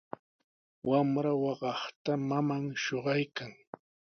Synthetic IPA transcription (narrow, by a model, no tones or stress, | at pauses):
wʔamɾawɑɢɑχt̪amamaŋʃoɢɑjkaŋ